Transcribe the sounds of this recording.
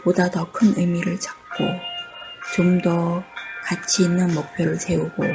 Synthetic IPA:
podadʌkʰɯnɯjmiɾɯɭt͡ɕak̚k͈o | t͡ɕomdʌkat͡ɕʰiːnːɯnmok̚pʰjoɾɯɭse̞uɡo

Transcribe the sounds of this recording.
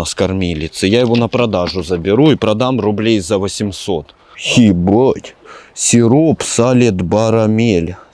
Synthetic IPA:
ɐskɐrmʲilʲɪt̪sɨjajɪvonɐpɾɐd̪aʐʊzəbʲɪɾuipɾɐd̪amrʊblʲejzɐvəsʲɪmsot̪ | xʲibətʲsʲɪɾopsalʲɪt̪baɾɐmʲelʲ

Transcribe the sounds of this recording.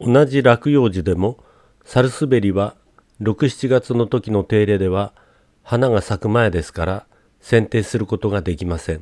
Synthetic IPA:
o̞naʑiɾakɯ̟jo̞ːʑid̪e̞mo̞ | saɾɯ̟sɨbe̞ɾʲiβa | ɾo̞kɯ̟ɕi̥t͡ɕiɡat͡sɨno̞t̪o̞kʲino̞t̪e̞ːɾe̞ːd̪e̞β̞a | hanaɡasakɯ̟mae̞d̪e̞sɨ̥kaɾa | sẽ̞nt̪e̞ːsɨɾɯ̟ko̞t̪o̞ɡad̪e̞kʲimasẽ̞ŋ

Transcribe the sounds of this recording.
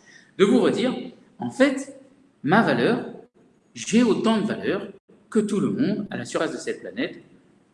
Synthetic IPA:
d̪əvuʁəd̪iʁ | ɑ̃fɛt̪ | mavalœʁ | ʒɛot̪ɑ̃d̪əvalœʁ | kət̪uləmɔ̃d̪a̰lasyʁfasd̪əsɛt̪̚planɛt̪

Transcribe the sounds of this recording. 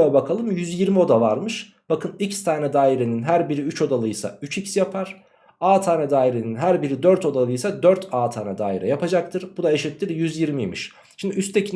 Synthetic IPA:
abakʰalˠɯmjyzjiɾmio̞d̪avaɾmɯʃ | b̥akʰɯnicst̪ʰaːnɛd̪aːiɾeninɦæɾbiɾiyt͡ʃʰo̞d̪alˠɯjsa̰yt͡ʃicsjapʰaɾ̥ | aːt̪ʰaːnɛd̪aːiɾeninɦæɾbiɾid̪øɾt̪ʰo̞d̪alˠɯjsad̪øɾt̪ʰaːt̪ʰaːnɛd̪a̰ːiɾɛ̰japad͡ʒakt̪ʰɯɾbud̪aeʃit̪ːiɾjyzjiɾmijmiʃ | ʃimd̪iyst̪ʰecʰin

